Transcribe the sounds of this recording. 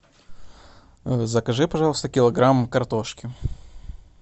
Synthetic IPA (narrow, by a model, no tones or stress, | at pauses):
zəkɐʐɨpɐʐalˠəst̪əkʲɪlˠɐɡɾamkɐrt̪oʂkʲɪ